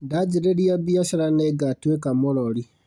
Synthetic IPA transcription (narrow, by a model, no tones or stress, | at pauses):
ndad͡ʒiɾeliabiasiɾaneɡatuekamololi